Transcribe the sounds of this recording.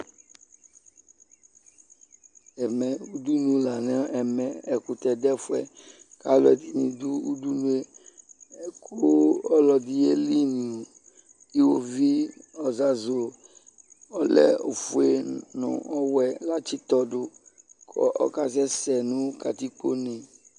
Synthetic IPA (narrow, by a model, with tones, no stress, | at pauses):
ɛ˨mɛ˨u˦d̪u˦nũ˦la˨nɛ̃˦ɛ˨mɛ̃˨ɛ˨ku˨t̪ɛ˨d̪ɛ˦fɛ̰˨ka˦lɛ˨d̪i˨nĩ˨d̪u˦u˦d̪u˦nũ˦e˦˨ | kʰo˦ɔ˦lɔ˨d̪i˦je˦li˦nĩ˨o˨ | i˦wo˨vi˦ɔ˨za˨zo˨ | ɔ˦lɛ̰˦o̰˨fu˨e˨nɔ̰̃˨ɔ˦wɛ˨la˦t͡ʃi˦t̪ɔ˦ɖʊ˦ | kʰɔ̰˦ʔɔ̰˦ka˦sɛ˦sɛ˨nũ˦ka˨t̪i˦k͡po̰˦nɛ̃˨